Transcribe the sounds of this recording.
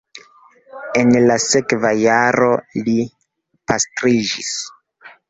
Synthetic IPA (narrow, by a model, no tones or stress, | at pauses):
e̞nlasekvajaɾo̞li | pastɾid͡ʒis